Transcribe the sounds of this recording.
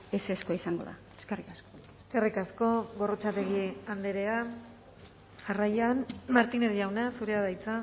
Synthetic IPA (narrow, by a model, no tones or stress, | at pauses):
eseskoaisaŋɡo̞ða̰ | eskerikaskoe̞ske̞rikasko̞βo̞ro̞t͡ʃat̪e̞ɣ̞iand̪eɾe̞a | ʝarajanmaɾt̪ineɾʝawnasuɾeaðajt͡sa